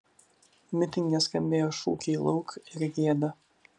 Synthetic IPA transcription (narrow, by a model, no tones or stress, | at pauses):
mʲɪt̪ʲɪŋʲɡʲɛsʲkɐnʲd̪ʲeːjoːʃṵːkʲɛːlˠɔʊkɪɾɡʲiɛd̪ɐ